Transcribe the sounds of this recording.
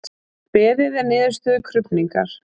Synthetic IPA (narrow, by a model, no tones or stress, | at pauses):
pɛːðɪðɛɾnɪːðʏɾst̪ʏðʏkʰɾʏpniŋka̰ɾ̥